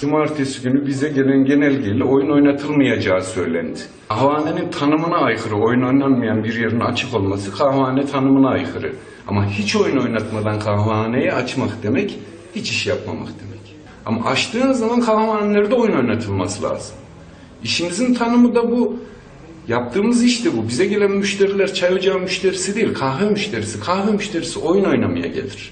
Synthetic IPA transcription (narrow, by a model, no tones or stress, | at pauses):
d͡ʒumaɾt̪ʰesiɟynybizɛɟe̞lʲænɟe̞nɛlʲɟelʲɛo̞juno̞jnat̪ʰɯlˠmajad͡ʒaːsø̞jlʲæ̰nd̪ɪ̥ | aɦvaːnenint̪ʰanɯmɯnaːjxɯɾɯo̞jno̞jnanmɯjanbiɾjeɾininat͡ʃʰɯko̞lˠmasɯkʰavaːnɛt̪ʰanɯmɯnaajxɯɾɯ̰ | a̰mahit͡ʃʰo̞juno̞jnat̪mad̪ankʰavaːnejɛat͡ʃmakd̪e̞mɛc | hit͡ʃʰiʃjapma̰ma̰kd̪e̞mɛc | a̰ma̰ʔat͡ʃt̪ʰɯːnzːamankʰahvaːnelʲeɾd̪ɛo̞juno̞jnat̪ʰɯlˠmasɯlʲa̰ːz̥ɯm | iʃimizint̪ʰanɯmɯd̪abu | jap̚t̪ʰɯːmɯziʃt̪ʰɛbubizɛɟe̞lʲænmyʃt̪ʰe̞ɾilʲæɾt͡ʃʰajod͡ʒamyʃt̪ʰe̞ɾisid̪eilʲkʰahvɛmyʃt̪ʰe̞ɾisikʰahvɛmyʃt̪ʰe̞ɾisiʔo̞juno̞jnamɯja̰ɟḛlʲiɾ̝̥